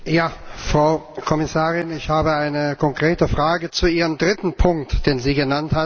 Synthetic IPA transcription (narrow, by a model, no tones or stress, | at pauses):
jaːfʁ̥aʊkʰɔmɪsaːʁɪnɪçhaːbəaɪnəkʰɔŋkʁ̥eːtəfʁ̥aːɡət͡suʔiːʁəmdʁɪtn̩pʰʊŋk̚td̥eːnziːɡənantha